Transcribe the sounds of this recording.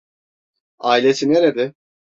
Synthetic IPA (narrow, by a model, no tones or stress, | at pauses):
aːilʲesʰineɾed̪ɪ